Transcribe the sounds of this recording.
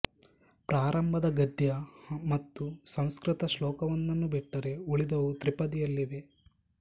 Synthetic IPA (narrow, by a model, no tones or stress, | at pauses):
pɾaːɾɐmbʱɐd̪ɐɡɐd̪jɐmɐt̪ːusɐ̃w̃skɾit̪ɐʃlɔːkɐʋɐnːɐnːubiʈːɐɾe̞uɭid̪ɐʋut̪ɾipɐd̪ijɐlːiʋe̞